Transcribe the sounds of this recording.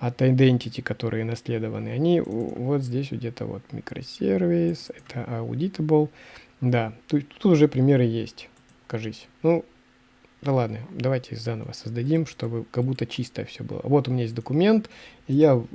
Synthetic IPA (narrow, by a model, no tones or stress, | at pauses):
ɐt̪aɪd̪ɛnʲtʲɪtʲɪkɐt̪o̞ɾʔɨ̰jənɐsʲlʲe̞d̪əvə̰nɨɐnʲivo̞t̪zʲdʲesʲɡdʲet̪ə̰vo̰t̪mʲɪ̰kɾə̰sʲervʲɪsɛt̪ʰəʔɐʊ̰dʲit̪əbəlˠ | d̪at̪ot̪ut̪ʊʐɛpɾʲɪmʲeɾɨjesʲt̪ʲ | kɐʐɨsʲnu | d̪ɐlˠad̪nəd̪ɐvajtʲɪzanə̰və̰səzd̪ɐdʲimʂt̪o̞bɨkɐɡbut̪ːət͡ɕist̪əjə̰fsʲobɨ̰lˠə̰vo̞t̪ʊmʲnʲajes̬ʲt̪̚ʲd̪əkʊmʲe̞nt̪ija